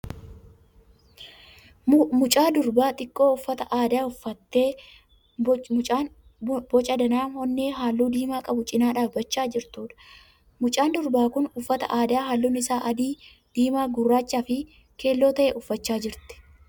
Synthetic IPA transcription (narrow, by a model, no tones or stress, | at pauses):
mʊt͡ʃʼaːd̪ʊɾbaːt̪ʼɪkʼːo̞ːʊfːɐt̪ɐʔaːd̪aːʊfːɐt̪ːe̞ː | t͡ʃʼaːn | bɔt͡ʃʼɐd̪ɐnaːnhɔnːeːɦaːlːuːd̪iːmaːkʼɐbʊt͡ʃʼɪnaːᶑaːfbɐt͡ʃːaːd͡ʒɪɾt̪uːᶑɐ̥ | mʊt͡ʃʼaːnd̪ʊɾbaːkʊnʊfːɐt̪ɐ̰ʔaːd̪aːɦaːlːuːnɪsaːʔɐd̪iː | d̪̥iːmaːɡʊrːaːt͡ʃːaːfɪ | ke̞ːlːo̞ːt̪ɐʔeːʔʊfːɐt͡ʃːaːd͡ʒɪɾt̪ɛ̥